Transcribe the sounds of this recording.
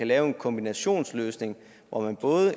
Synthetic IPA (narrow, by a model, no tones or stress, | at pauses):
ælɛːʊe̝nkʰɒ̽mb̥inæɕo̝̰ːnsløːsne̝ŋ | ʋɒmænb̥ɔ̽ːðˠə